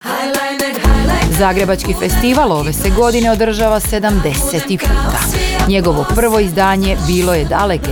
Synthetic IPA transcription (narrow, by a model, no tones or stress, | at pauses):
zaːɡɾe̞bat͡ʃkife̞st̪iʋalˠo̞ʋe̞seɡo̞d̪ineo̞d̪r̩ʒaʋase̞d̪amd̪eset̪ipuːt̪aɲe̞ɡo̞ʋo̞pr̩ʋo̞izd̪aːɲe̞biːlˠo̞je̞d̪alek